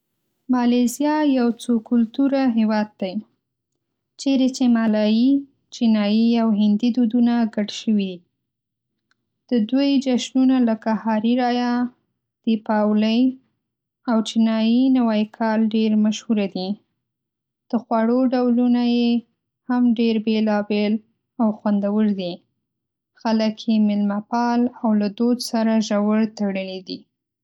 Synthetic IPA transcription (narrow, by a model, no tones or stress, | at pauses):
mɑlezjɑjawt͡sokʊlt̪uɾaɦewɑd̪̚ːaj | t͡ʃeɾet͡ʃemɑlɑji | t͡ʃinɑjiawɦɪnd̪id̪ud̪unaɡaɽʃəwii | d̪̥əd̪ojd͡ʒaʃnunaləkahɑɾiɾɑja | d̪̥epɑwləj | awt͡ʃɪnɑjinawɑjkʰɑlɖeɾmaʃhuɾad̪i | d̪̥əxwɑɽoɖawlunaje | hamɖeɾbelɑbel | awxwand̪awəɽd̪i | xaləkjemɪlmapɑlawlad̪od̪saɾaʒawəɽt̪aɽəlid̪i